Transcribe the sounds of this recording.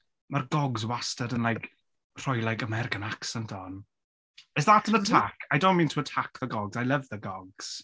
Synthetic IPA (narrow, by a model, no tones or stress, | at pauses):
marɡɔɡzwastədənlajk | r̥ɔjlˠajkəmɛɾɪkanaksɛntʰɔn | ɛsðatʰənətʰakʰajdɔ̃wnmĩːntʰuətʰakʰðəɡɔɡzajləvðəɡɔɡz̥